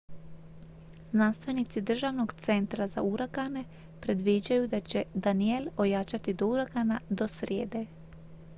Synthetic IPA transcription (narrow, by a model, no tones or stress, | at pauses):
znanst̪ʋe̞nit̪sid̪r̩ʒaʋnoɡt̪se̞nt̪ɾaza̰uɾaɡane̞ | pɾe̞d̪ʋid͡ʒajud̪at͡ɕed̪anielojaːt͡ʃat̪id̪ouɾaɡanad̪o̞sɾjḛːd̪e